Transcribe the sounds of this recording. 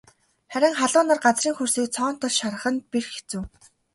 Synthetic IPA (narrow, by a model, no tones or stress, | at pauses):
χæɾʲɪ̆ŋχaɮʊːnărɢat͡sriːŋxursiːk̚t͡sʰɔːn̥t̪ʰɔɮʃaɾə̆χə̆n̚pirxe̥t͡suː